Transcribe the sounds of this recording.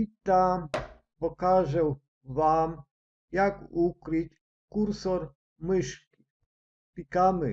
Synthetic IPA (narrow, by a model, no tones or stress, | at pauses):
it̪a | pɔkaʒɛw | ʋam | jakukɾɪtʲ | kuɾsɔɾ | mɪʃkʲi | pʲikamɪ